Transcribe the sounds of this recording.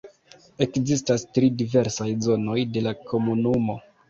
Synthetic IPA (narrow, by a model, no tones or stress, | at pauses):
e̞kzistastɾidive̞ɾsajzo̞no̞jde̞lakʰo̞munumo̞